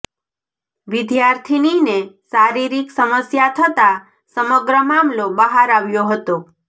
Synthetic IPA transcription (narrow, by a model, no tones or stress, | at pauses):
ʋid̪jaɾt̪ʰininesaɾiɾiksəməsjat̪ʰət̪a | səməɡɾəmamlobəɦaɾaʋjoɦət̪o